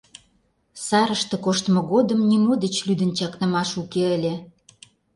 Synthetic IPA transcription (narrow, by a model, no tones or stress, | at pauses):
sɑɾəʃt̪ɤ̆koʃt̪əmŏɣod̪ə̆mnimod̪et͡ɕlyd̪ə̆nt͡ɕɑknə̆mɑʃukeəlʲĕ